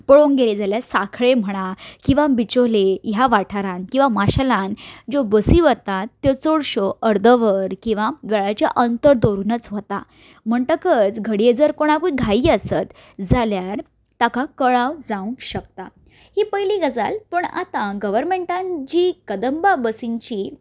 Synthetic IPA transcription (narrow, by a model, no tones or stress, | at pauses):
pəɭoŋɡeled͡zaljasakʰɭem̤əɽ̃akĩw̃ʋabit͡ɕolejaʋaʈʰaɾãnkĩw̃ʋamaɕalãnd͡ʑobəsiːʋət̪at̪ːjɔt͡soɽɕoəɾd̪əʋəɾkĩw̃ʋaʋeɭat͡ɕja̰ʔənt̪əɾd̪oɾunət͡sʋət̪a̰ | m̤əɳʈ̪əkət͡sɡʱəɽied͡zəɾkoɽ̃akuiɡʱaiːəsət̪ | d͡zaljaɾ | t̪akakəɭawd͡zãũŋɕək̚t̪a | hiːpəjliɡəd͡zalpəɳa̰t̪ãɡəʋəɾmeɳʈãnd͡ʑikəd̪əmbabəsiɲt͡ɕi